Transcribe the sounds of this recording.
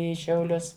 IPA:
ˈiː ʃʲɛʊˈlʲʊs

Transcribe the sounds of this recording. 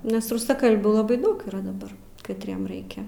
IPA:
nʲɛs rʊsɐˈkɐlʲbʲuː lˠɐˈbɐɪ ˈdɐʊk iːˈrɐ dɐˈbɐr kɐtʲˈrʲiɛm ˈrɐɪkʲɛ

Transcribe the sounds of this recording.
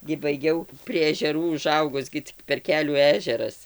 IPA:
ɡʲɪ bɐɪˈɡʲɛʊ pʲrʲiɛ ɛʒʲɛˈruː ʊˈʒɐʊɡʊs ɡʲɪ ˈt͡sʲɪk pʲɛr ˈkʲæːlʲuː ˈæːʒʲɛrɐs

